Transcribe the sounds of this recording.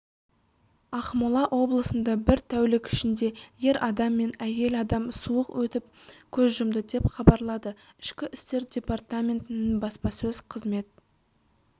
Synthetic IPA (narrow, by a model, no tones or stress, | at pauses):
ɑχmʊlˠɑʔwʔo̞blˠəsənd̪ɑbɪɾt̪ʰæwlɪkʲɪʃɪnd̪e̞je̞ɾʔɑd̪ɑmːe̞næje̞lɑd̪ɑmsuəqwɵt̪ɪp̚ | kʲʰɵzʒʏmd̪ɪd̪e̞pχɑbɑɾlˠɑd̪ə | ɪʃkʲɪʔɪst̪e̞ɾd̪ʲe̞part̪amʲe̞nt̪ɪnɪnbɑspɑsɵz̥qʰəzme̞t̪̚